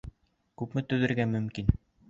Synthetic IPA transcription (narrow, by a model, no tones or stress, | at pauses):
kʉpmɘt̪ɵ̆ðɘ̆ɾɡæmɵ̆mkin